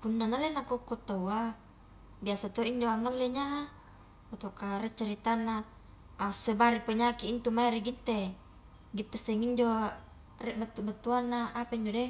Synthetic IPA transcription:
punːanalenakokːot̪owa | biasat̪oiɲd͡ʒoaŋalːeɲaɦa | pot̪okaɾet͡ʃaɾit̪anːaː | sebaɾipaɲakiːnt̪umaeɾeɡit̪ːe | ɡit̪ːeseŋiɲd͡ʒo | rɛʔbat̪ːubat̪ːuanːaːpaiɲd͡ʒode

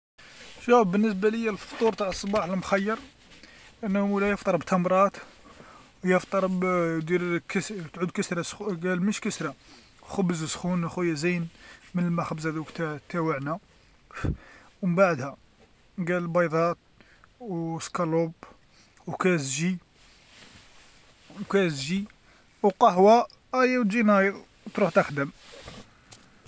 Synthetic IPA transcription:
ʒæbbənːəs̬bæləjːælft̪ˤuɾt̪aʕəsˤːbɑħəlmxæjːɑɾˤ | ʔənːlæjəft̪ˤɑɾˤbt̪ʰɑmɾˤɑt̪ | wjəft̪ˤɑɾˤbd̪iɾkəst̪ʕud̪kəsɾɑsxuɡælməʃkəsɾɑ | xəbəzəsxunxujæzinmənəlmæxəbəzhæd̪uwkt̪æt̪ːæwəʕnæ | wməbaʕd̪hæ | ɡællbɑjd̪ˤɑt̪̚ | wskɑlub | wkæzʒi | wkæzʒi | wqɑhwæ | æjæwt̪ʒinɑjəð | t̪ɾuħt̪əxd̪əm

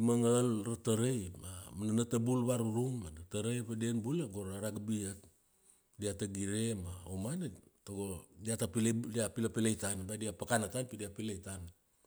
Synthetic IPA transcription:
imaŋalrataɾejmamananatabulβaɾuɾuŋadataɾejpedenbuleɡoɾaɾaɡabiat̚ | diataɡiɾemaomanetoɡodiatapldiapilapilejtanbadiapakanatanpidiapilejtan

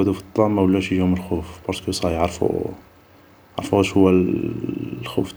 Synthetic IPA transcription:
æd̪ufit̪ˤːɑmːawlːæʃjʒhuməlxufbɑɾˤskusˤɑjʕɾˤfṵ | ʕɾˤfuæʃhʊwːæ | lxṵf

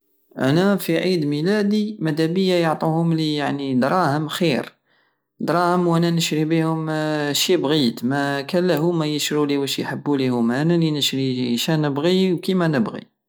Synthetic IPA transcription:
ʔæ̰næfiʕid̪milæd̪imæd̪æbəjːajoʕt̪ˤuhʊmlijaʕnid̪ɾˤɑhəmxiɾ | d̪ɾˤɑhəmwʔænænəʃɾibihʊmʃibɣit̪mækænləɦʊmæjəʃɾuliwæʃijħəbːulihʊmʔænælinəʃɾiʃænəbɣiwkimænəbɣḭ

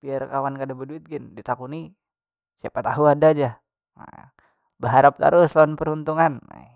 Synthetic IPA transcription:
piarkawankadabəduɪt̪̚ɡɪndit̪akuni | sapat̪aɦuadad͡ʒa | ma̰ | bəɦaɾap̚t̪a̰ɾʊslaanpəɾunt̪uŋana̰

